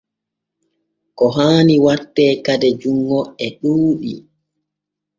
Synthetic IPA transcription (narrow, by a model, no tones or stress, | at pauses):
kɔɦaːniwatːɛːkadɛd͡ʒuŋːɔɛɗuːɗi